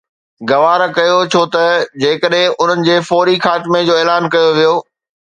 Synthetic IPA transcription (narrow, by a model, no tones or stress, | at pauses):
ɡɐʋaːɾkɐjot͡ɕʰoːt̪ɐd͡ʑeːkəɗɦɪ̃ʔʊn̤ənɪ̆d͡ʑeːfɔːɾixaːt̪med͡ʑoːeːlaːnkɐjoʋijoː